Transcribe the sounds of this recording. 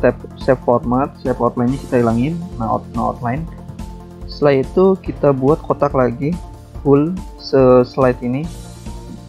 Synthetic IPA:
t̪ɛp̚sɛpfɔrmat̪̚sɛpɔt̪lajnɲaki̥t̪ailaŋɪnːaɔ̰t̪naɔ̰t̪laɪn | səlajit̪ukit̪abuat̪̚kʰot̪aklaɡi | ɡʊl | səslajt̪ini

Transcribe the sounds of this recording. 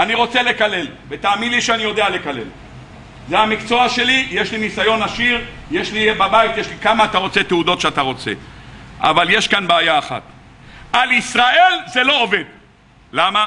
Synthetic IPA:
aniʁo̞t͡sele̞kale̞lvet̪aːmid̪liʃeanijo̞d̪eale̞kale̞̰l | zeamikt͡so̞aʃe̞lije̞ʃlinisajo̞naʃiʁ | je̞ʃlibabajit̪jeʃlikamaːt̪aʁo̞t͡se̞t̪eud̪o̞t̪ʃeat̪aʁo̞t͡se̞̰ʔa̰valje̞ʃkanbeajaːχa̰t̪ | alisʁaʔe̞lze̞lo̞ove̞d̪ | lama

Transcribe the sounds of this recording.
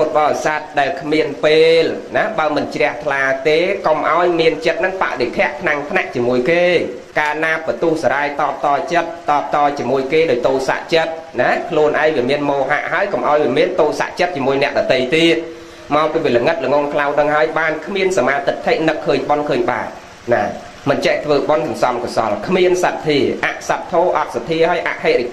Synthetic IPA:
pot̪̚ɓɑːsat̪̚ɗaɛlkʰmiənpeːlnaɓaəmɨnt͡ɕrɛ̆əht̪ʰlaːt̪eːkomʔa̰ɔjmiənt͡ɕət̪̚nɨŋpa̰ʔɗek̪ʰɛ̆əʔp̪ʰnaŋt̪ʰnaʔt͡ɕiəmuəjkeː | kaːnaːpːət̪uəhsaɾaːjt̪ɑːp̚t̪ɑːt͡ɕət̪̚ːɑːp̚t̪ɑːt͡ɕiəmuəjkeːɗoːc̚t̪oːlsa̰ʔt͡ɕət̪̚nakʰluənʔaɛŋʋiəmiənmoːɦa̰ʔɦaəjkomʔaɔjʋiəmiənt̪oːsa̰ʔt͡ɕət̪̚t͡ɕiəmuəjnɛ̆əʔɗɑt̪əjt̪iət̪̚ | maɔwpiːʋiələŋɨt̪̚ləŋoŋkʰlawɗəŋɦaəjɓaːnkʰmiənsamaːt̪ɨt̪t̪ʰːeʔ̚nɨkʰːəːɲɓonkʰəːɲɓa̰ːt̪̚ | naː | mɨnt͡ɕɛʔt̪ʰʋəːɓonsɑnsɑmkɑsɑ̰lkʰmiənsat̪̚t̪ʰːiəʔaʔsat̪̚t̪ʰːoːʔɑt̪̚sapʰiəɦaəjʔa̰ʔheːʔri

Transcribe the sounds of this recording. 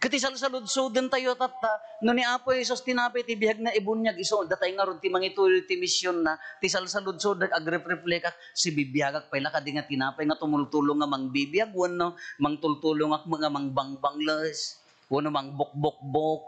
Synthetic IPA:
kɨt̪ɪs̬alsalʊd̪̚sud̪ɨnt̪ajot̪at̪ːanʊniʔaːpojhɛs̬ʊst̪ɪnaːpajt̪ɪbɪhaɡ̚naʔɪbʊnjaɡɪsod̪at̪ajŋaɾʊn̚t̪imaŋit̪ulʊt̪ɪmɪsjʊnːat̪ɪs̬alsalʊd̪̚sud̪akʔaɡɾɛpɾɪplɛkak̚sibibjaɡak̚pajlakad̪ɪŋat̪ɪnaːpajŋat̪ʊmʊlt̪ʊlʊŋːamaŋbibijaɡ̚wonomaŋt̪ʊlt̪ʊlʊŋak̚mɨŋamaŋbaŋbaŋləs | wonomaŋbʊk̚ʊk̚bʊk̚

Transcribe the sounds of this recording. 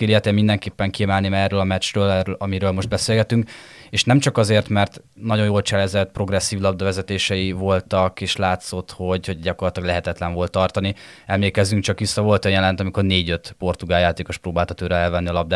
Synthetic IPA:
eliɛt̪ɛmind̪ɛŋkeːpːɛŋkiɛmɛlnimɛrøːlɒmɛt͡ʃrøːlɛølɒmiɾøːlmo̞ʒd̪bɛseːlɡɛt̪yŋkeːʃnɛmt͡ʃɒkɒzeːrt̪mɛrt̪ | nɒɟo̞joːlt͡ʃɛlɛzɛt̪pro̞ɡrɛsːiːvlɒb̚d̪ɒvɛzɛt̪eːʃɛjivo̞lt̪ɒkeːʃlaːt̪so̞t̪ho̞ɟho̞ɟɟɒko̞rlɒt̪ilɒɡlɛɦɛt̪ɛt̪lɛɱvo̞lt̪ːɒrt̪ɒniɛmleːkɛzyŋkt͡ʃɒkʋisːɒvo̞lt̪ønjɛlɛnt̪ɒmiko̞rneːɟø̞t̪po̞rt̪uɡaːjaːt̪eːko̞ʃproːbaːlt̪ɒt̪øːɾɛɛlvɛnːiɒlɒb̚d̪

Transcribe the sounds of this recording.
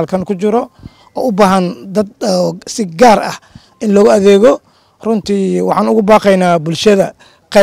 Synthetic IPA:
lkʰɐnkʰʊt͡ʃɪɾɔ | ɔːʊbaːɦɐnd̪ɐd̪̚ɔsɪɡaːrɐ̰h | ʔɪnlɔɣʊɐðɛːɣɔ | rʊnt̪ʰiːwɑħɑːnʊɣʊbɑːqɛjnaːbʊlʃɐðɐ | qɛ

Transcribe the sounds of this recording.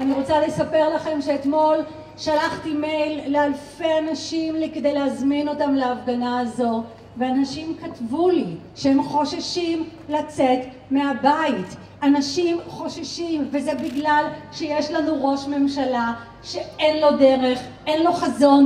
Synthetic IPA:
aniʁo̞t͡sale̞sape̞ʁlaχe̞mʃeːtmo̞l | ʃalaχtime̞jlːealfeanaʃimlekede̞jleazmino̞tamleafɡanaːzo̞ | veanaʃimkatvuli | ʃeemχo̞ʃaʃim | lat͡set | me̞abait | anaʃimχo̞ʃaʃimvezebiɡlalʃejeʃlanuʁo̞ʃme̞mʃala | ʃe̞enlo̞deʁe̞χʔe̞nlo̞χazo̞n

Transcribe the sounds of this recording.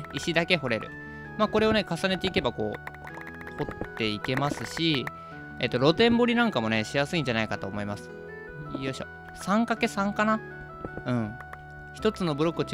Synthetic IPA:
iɕid̪ake̞ɦo̞ɾe̞ɾɯ̟̰ | maːko̞ɾe̞o̞ne̞kasane̞t̪e̞ike̞bako̞̰ː | ho̞t̪ːe̞ike̞masɨɕi | e̞̰t̪ːo̞ɾo̞t̪ẽ̞mbo̞ɾʲinãŋkamo̞ne̞ɕijasɨĩɲ̟d͡ʑanaikat̪o̞ːmo̞imasɨ̥ | ijoɕo̰ | sãŋkake̞sãŋkana | ɯ̟̃ɴ | çi̥t̪o̞t͡sɨno̞bɯ̟ɾo̞kːɯt͡ɕ

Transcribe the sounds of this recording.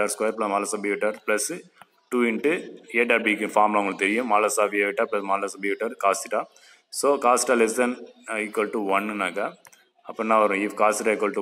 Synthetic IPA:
aːɾskwaːjɐɾplɐsmaːlɐsaːbeʋɪʈːaːɾplɐs | ʈuːɪɳʈːɯeːʈaːɾbikːɯfaːɾmlaʊŋɡɐɭkːɨt̪ɛɾɪjʊ̃maːlɐsaːʋeʋɪʈːaːplɐsmaːlɐsaːbeʋɪʈːaːɾkaːsɪʈaː | soːkaːsɪ̥ʈaːlɛsɐnɐɪkɐlʈuʋɐnnaːkɐ | ɐpːɐnãːɐʋɐɾõɪfkaːsɪʈaːɪkʋɐlʈu

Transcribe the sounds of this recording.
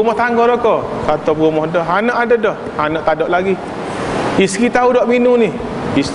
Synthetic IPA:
umɔht̪aŋɡɔɾɔkɔkat̪ɔbɣumɔhdɔɦanəʔadədɔh | anɔʔt̪adɔʔlaɡi | iskit̪audɔʔminunih | is

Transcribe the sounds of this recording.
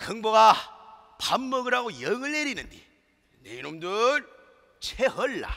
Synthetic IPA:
kɯŋboɣa | pamːɯɡɯɾɦaɡojʌŋɯɭːeɾinɯndḭ | neinomdɯɾ | t͡ɕʰeɦʌɭːa̰

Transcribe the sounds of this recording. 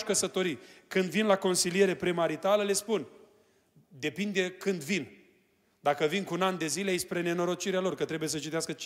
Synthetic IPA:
ʃkəsət̪o̞ɾikɨnd̪vinlako̞nsilije̞ɾe̞pɾimaɾit̪aləle̞spun | d̪e̞pind̪e̞kɨnd̪vin | d̪akəvinkuunand̪e̞zilespɾe̞ne̞no̞ɾo̞t͡ʃiɾealo̞rkət̪ɾe̞bujes̬ət͡ʃit̪easkət͡ʃ

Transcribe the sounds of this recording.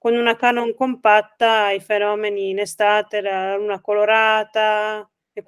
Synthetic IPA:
konunakanɔŋkompat̪ːajfenɔːmeniːnest̪aːt̪elalalunakoloɾaːt̪a | ekː

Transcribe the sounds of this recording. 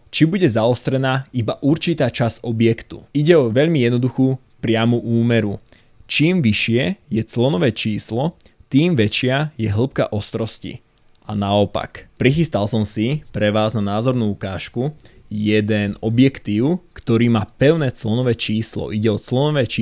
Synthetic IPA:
t͡ʃibuɟɛzaɔst̪ɾɛnaːibaʔuɾt͡ʃit̪aːt͡ʃaz̥ɔbɪɛkt̪ṵiɟɛɔʋɛʎmijɛd̪nɔd̪uxuː | pɾɪamuʔuːmɛɾu | t͡ʃiːmʋiʃɪɛjɛt͡slɔnɔʋɛːt͡ʃiːslɔ | t̪iːmʋɛt͡ʃɪajɛɦl̩p̚ka̰ʔɔst̪ɾɔscḭ | anaɔpa̰kpɾixist̪alsɔmsipɾɛʋaːznanaːzɔɾnuːukaːʃkujɛd̪ɛnɔbjɛkt̪iːʊkt̪ɔɾiːmaːpɛʊnɛːt͡slɔnɔʋɛːt͡ʃiːslɔ̰ʔiɟɛɔt͡slɔnɔʋɛːt͡ʃi

